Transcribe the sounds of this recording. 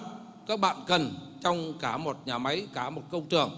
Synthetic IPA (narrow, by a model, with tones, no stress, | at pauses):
kaː˦˥k̚ɓa̰ː˧˨nkə˨˩nt͡ɕɔ˧wŋ͡mkaː˧˩mo˨˩t̚ɲaː˨˩ma˨˦jkaː˧˩mo˨˩t̚kə˧wŋ͡mtɨ˨˩əŋ